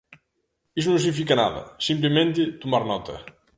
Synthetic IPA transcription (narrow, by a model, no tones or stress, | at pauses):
is̬unũŋs̬iif̬ikɐna̰ðɐ̰sĩmplemẽnt̪ɪt̪umaɾnɔt̪ɐ̰